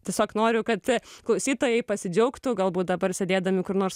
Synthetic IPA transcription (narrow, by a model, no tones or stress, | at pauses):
t̪ʲiɛsʲoːknoːɾʲʊkɐt̪klˠɐʊsʲiːt̪oːjɛɪpɐsʲɪd͡ʒʲɛʊkt̪ʊɡɐlˠbuːt̪̚d̪ɐbɐrsʲed̪ʲeːd̪ɐmʲɪkʊɾnoːɾs